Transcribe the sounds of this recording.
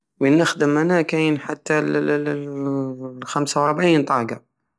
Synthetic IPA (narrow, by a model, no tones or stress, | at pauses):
wənːəxd̪əmːænækijnħat̪ːæl | xæmsawɾˤbʕiːnt̪ˤɑːɡa